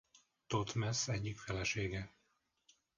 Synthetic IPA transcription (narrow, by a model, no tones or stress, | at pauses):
t̪ot̪mɛsɛɟːikfɛlɛʃeːɡɛ